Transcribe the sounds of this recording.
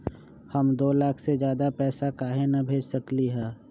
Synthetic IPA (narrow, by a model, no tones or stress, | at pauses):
həmd̪oːlaːkʰsed͡ʒjaːd̪apɛːsakaːɦenɐbʱeːd͡ʒsəkliɦɛː